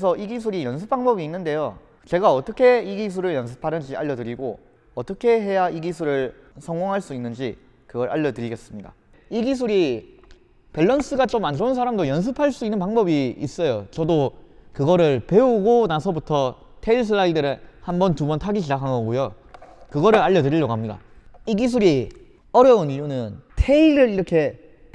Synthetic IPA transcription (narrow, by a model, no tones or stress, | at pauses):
es̬ʰʌʔiɡis̬ʰuɾijʌnsʰɯp͈̚aŋbʌbiːnːɯnde̞jo | t͡ɕe̞ɡaʌt͈ʌkʰe̞iɡisʰuɾɯɭjʌns̬ʰɯ̥pʰaɾɯnd͡ʑiʔa̰ʎːʌdɯɾiɡo̰ | ʌt͈ʌkʰe̞ɦe̞jaiɡis̬ʰuɾɯɭ | sʰʌŋɡoŋɦaɭs͈uinːɯnd͡ʑi | kɯɡʌɾʔa̰ʎːʌtɯɾiɡes͈ɯmɲida̰ | iɡis̬ʰuɾi | peɭːʌns͈ɯɡat͡ɕomand͡ʑounsʰaɾamdojʌns̬ʰɯpʰaɭs͈uinːɯnpaŋbʌbiis͈ʌjot͡ɕʌdokɯɡʌɾɯɭpe̞uɡonasʰʌbutʰʌ | tʰeiɭs̬ʰɯaidɯɾɯhambʌntubʌntʰaɡid͡ʑid͡ʑakʰanɡʌɡojo | kɯɡʌɾɯɾaʎːʌdɯɾiʎːʌkamɲida̰ | iɡis̬ʰuɾi | ʌɾjʌuniʎjunɯntʰe̞iɾɯɾiɾʌkʰe̞